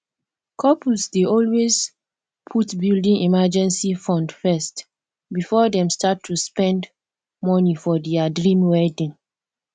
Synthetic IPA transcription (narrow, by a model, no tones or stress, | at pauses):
kʰɔpʰusdeɔlwez | pʰutbildĩŋʔimad͡ʒɛ̃nsifɔ̃ndfɛst | bifɔdɛ̃mstatʰːuspɛ̃nd | mɔnifɔdɛadɹĩmwɛdĩŋ